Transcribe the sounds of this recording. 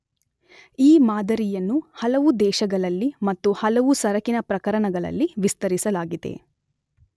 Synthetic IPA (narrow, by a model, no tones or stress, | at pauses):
iːmaːd̪ɐɾijɐnːuhɐlɐʋud̪ɛːʃɐɡɐɭɐlːimɐt̪ːuhɐlɐʋusɐɾɐkinɐpɾɐkɐɾɐɳɐɡɐɭɐ̰lːiʋist̪ɐɾisɐlaːɡid̪e̞̰